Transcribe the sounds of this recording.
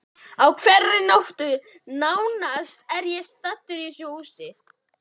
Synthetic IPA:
awkʰvɛrːɪnowht̪ʏ | nawnast̪ɛɾjɛst̪at̪ːʏɾɪsjowusɪ

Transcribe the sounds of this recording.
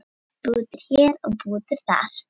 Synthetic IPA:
puːt̪ɪɾ̥çɛːɾɔɣpuːt̪ɪɾ̥θa̰ɾ̥

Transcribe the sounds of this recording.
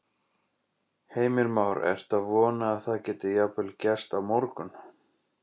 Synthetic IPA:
heːjmɪɾmawɾɛ̰ɾ̥t̪aðvɔːnaːðθaðcɛːt̪ɪjapʏlcɛst̪awmoɾkʏn

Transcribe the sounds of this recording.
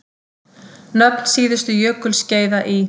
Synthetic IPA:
nœpn̥siːðɪst̪ʏjœːkʏlsceːjðaʔi

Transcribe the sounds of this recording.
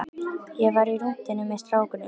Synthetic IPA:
jɛɣvaɾirum̥t̪ɪnːʏmɛst̪ɾaːwkʏnɪ

